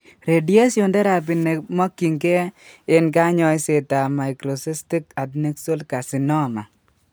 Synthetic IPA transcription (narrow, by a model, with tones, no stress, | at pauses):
ɾe˨di˦e˦sjo˨ndɛ˦ɾa˨p̬i˨ne˨ma˦kːi˨ŋkɛ˦ɪ˦nka˦ɲɔ˦jse˨ta˨ma˨jkɾo˨se˦sti˦ka˨tne˦kso˦lka˨si˨nɔ˦˨ma˨